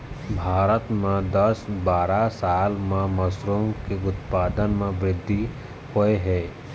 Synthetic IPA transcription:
bʱaːɾət̪mẽd̪əsbaːɾasaːlmẽmɐsɾomkeʊt̪paːd̪ənmẽbɾɪd̪ʱːi | hoeɦɛː

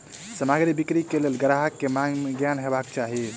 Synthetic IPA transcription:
səmaɡɾibikɾikelelɡəɾaɦəkːemaɡjanɦebakt͡ʃaɦi

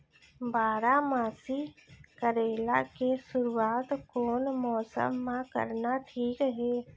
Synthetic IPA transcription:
baːɾamaːsikəɾeːla̰kesʊɾuaːt̪koːnmɔːsə̰mːãkə̰ɾnaʈʰiːkɦɛː

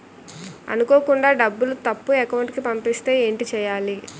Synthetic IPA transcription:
ɐ̰nuko̞ːkuɳɖaːɖɐbːulut̪ɐpːuɛkɐwɳʈkipɐmpist̪e̞ːeːɳʈit͡ʃɛːjaːli

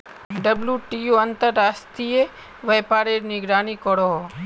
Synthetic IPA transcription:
ɖəbljuʈijuɐnt̪əɾːast̪ie | ʋejpaːɾeɾnɪɡɾaːnikɔɾoɦ

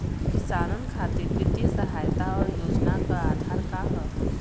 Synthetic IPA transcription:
kɪsaːɾənkʰaːt̪iɾɪt̪isəɦaːjt̪aɔːɾjoːd͡ʒnakəɾaːd̪ʱaɾkaɦət̪

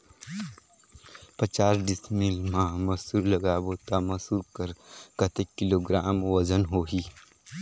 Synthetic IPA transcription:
pət͡ʃaːsɖɪsmilmãmɐsuːɾləɡaːboːt̪amɐsuːɾkəɾkət̪ekːɪloːɡɾaːmwəzənɦoːɦiː

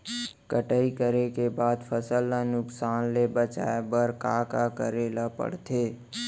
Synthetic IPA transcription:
kəʈəikəɾekebaːd̪pʰəsəlanʊksaːnlebət͡ʃa̰ːebəɾkakakə̰ɾelapə̰ɽt̪ʰeː

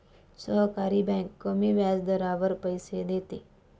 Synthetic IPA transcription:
səɦkaːɾibɛ̃ŋkːəmiʋjaːzd̪əɾaːʋəɾpəjsed̪eːt̪e

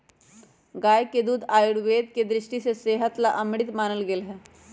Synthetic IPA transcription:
ɡaːjked̪uːd̪aːjuɽʋeːd̪̚ked̪ɾɪʂʈiseseɦət̪laʔəmɽit̪maːnəlɡeːlɦɛː

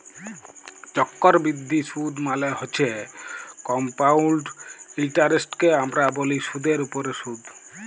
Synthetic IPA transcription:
t͡ʃɔkːoɾbɾid̪ʱːisud̪maleɦot͡ɕʰe | kɔmpawlɖilʈaɾesʈkeamɾaboliʃud̪ʱeɾupoɾeʃud̪

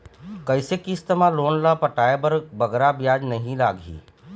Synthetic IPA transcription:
kɐɪsekist̪əmãloːnlapɐʈaːebɐɾbɐɡɾabjaːd͡ʒnɐɦĩlaːɡʱḭː

